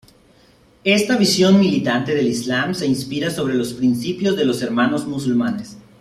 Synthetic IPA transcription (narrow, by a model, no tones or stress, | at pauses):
e̞st̪aβ̞isjo̞nmilit̪ant̪e̞ðe̞lizlamse̞inspiɾaso̞β̞ɾe̞lo̞spɾinsipjo̞zðe̞lo̞se̞ɾmano̞zmus̬ulmane̞s